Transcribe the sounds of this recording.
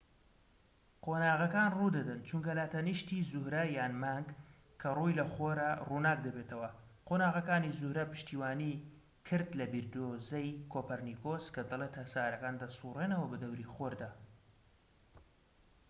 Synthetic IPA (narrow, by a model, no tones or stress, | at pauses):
qʰoːnaːɣɐkaːnrud̪ɐd̪ɐnt͡ʃuŋkɐlaːt̪ɐniʃt̪izʊhɾɐjaːnmaːŋɡ | kʰːɐrujlɐχoɾaruːnaːk̚d̪ɐbeːt̪ʰɐwɐqoːnaːɣɐkaːnizuhɾɐpɨ̥ʃt̪iːwaːni | kʰɨɾd̪lɐbiɾd̪ozɐjkʰoːpɐɾnikoskɐd̪ɐlˠet̪ɐsaːɾɐkaːnd̪ɐsurenɐwɐbɨd̪ɐwɾiχoɾd̪aː